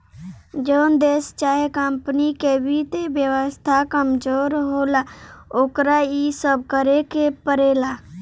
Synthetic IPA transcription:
d͡ʒoːnd̪eːst͡ʃaːɦekəmpnikebʱit̪ebjəwəst̪ʰakəmd͡ʒoːɾɦoːlaoːkɾaisəb̚ʱkəɾekepəɾeːlaː

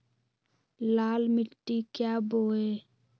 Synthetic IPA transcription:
laːlmɪʈːiːkjaːboːeː

